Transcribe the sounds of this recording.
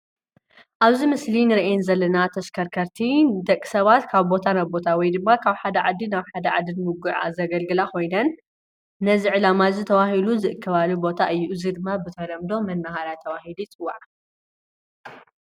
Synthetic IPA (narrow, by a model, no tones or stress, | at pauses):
ʔaβzimɨslinɨɾʔenzɐlːɐnat̪ʰɐskʰɐɾkʰɐɾt̪ʰid̪ɐkʼːi̥sɐβat̪kʰaβbo̞t̪ʰanaβbo̞t̪ʰawɔjd̪ɨmːakʰaβħad̪ɐʕad̪ːinaβħad̪ɐʕa̰d̪ɨnmuɡuʕa̰zɐɡɐlɡɨlakʰo̞jnɐnː | ɐziʕɨlamazit̪ʰɐwahiluzɨʔɨkʰːɐβalubo̞t̪ʰaʔɨjːuʔzid̪ɨmːabɨt̪ʰɐlɐmd̪o̞mɐnːahaɾat̪ʰɐβahilujt͡sʼɨwːaʕa